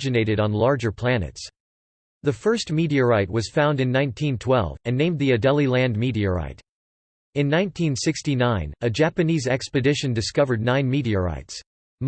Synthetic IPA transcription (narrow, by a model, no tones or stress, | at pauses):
d͡ʒɨneɪɾɨɾn̩lɑɹd͡ʒə˞pʰl̥ænɨ̰ts | ðɨfɜ˞st̚miɾiɨɹaɪt̚wʌz̥fãʊ̃ndɨ̃nːãɪ̃ntʰĩntʰw̥ɛ̰lˠvɨ̃nːẽɪ̃mðiɨdɛlˠilæ̃ndmiɾiəɹa̰ɪɾ | ɨ̃nːãɪ̃ntʰĩnsɪkstinãɪ̃nɨd͡ʒæpɨnizɛkspɨdɪʃɨ̃ndɨskʌvə˞dⁿnãɪ̃nmiɾiɨɹa̰ɪts | m